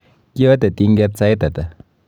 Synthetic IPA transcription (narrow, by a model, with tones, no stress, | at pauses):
kjɔ˦te˨ti˧ŋɡɛ˦˧t̚t͡sa˦jtɐ˨tɐ˨